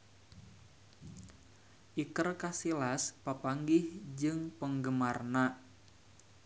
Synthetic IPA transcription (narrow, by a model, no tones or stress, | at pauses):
ʔikərkasilaspapaŋɡɪhd͡ʒɨŋpəŋɡəmarna